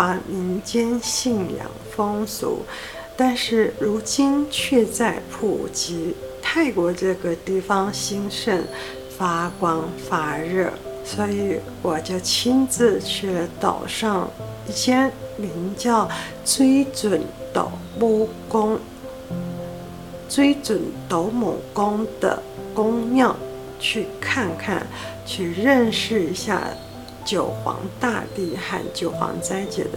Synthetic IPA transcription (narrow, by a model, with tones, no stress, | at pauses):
a˧˥mi˧˥ŋt͡ɕjɛ˥nɕi˥˩ŋljɑ̰˨˩ŋfɤ˥ŋsṵ˨˩˦ | t̪a˥˧nʂɻ̩˥˩ɻu˧˥t͡ɕi˥nt͡ɕʰɥɛ˥˧t͡sa˥˩ɪpʰṵ˨˩t͡ɕi˧˥t̪ʰa˥˩ɪkwɔ˧˥ʈ͡ʂɤ˥˩ɡə˩t̪i˥˩fɑ˥ŋɕi˥ŋʂə˥˩n | fa˥kwɑ˥ŋfa˥ɻɤ˥˩swɔ˧˥i˧˥ | wɔ˨˩t͡ɕjo˥˩t͡ɕʰi˥nt͡sɹ̩˥˧t͡ɕʰɛ˥˩t̪ɑ̰˨˩ʊʂɑ˥˧ŋ | i˥˩ɕjɛ˥mi˧˥ŋt͡ɕjɑ˥˩ʊ | t͡swe˥ɪt͡swə˨˩nt̪o̰˨˩ʊm˥˩ | kʊ˥ŋ | t͡swe˥ɪt͡swə˨˩nt̪o˧˥ʊmu˨˩kʊ˥ŋd̪ə̰˨˩ | kʊ˥ŋmjɑ˥˧ʊ | t͡ɕʰy˥˧kʰa˥˧nkʰa̰˥˩n | t͡ɕʰy˥˧ɻə˥˧nʂɻ̩˥˩i˧˥ɕja̰˥˩ | t͡ɕjo˨˩ʊxwɑ̰˧˥ŋt̪a̰˥˧t̪i˥˩xa̰˥˩nt͡ɕjo˨˩ʊxwɑ̰˧˥ŋt͡sa˥ɪt͡ɕjɛ̰˨˩d̪ə˦